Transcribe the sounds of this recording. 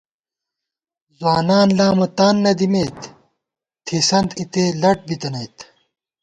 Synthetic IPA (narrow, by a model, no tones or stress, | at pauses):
zwaːnaːnlaːmɐt̪aːnːɐd̪imeːt̪ | t̪ʰisɐnt̪it̪eːlɐʈ̚bit̪ɐnɐjt̪